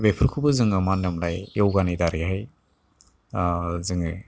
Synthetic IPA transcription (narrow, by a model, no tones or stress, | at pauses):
bepʰɯɾkʰubɯzɯŋɯmandɯmlajɔwɡanidaɾihaj | zɯŋɯ